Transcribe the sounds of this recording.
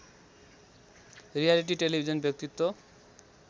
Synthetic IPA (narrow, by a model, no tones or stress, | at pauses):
ɾialiʈ̬iʈelibʱid͡ʑonbjek̚t̪it̪ːo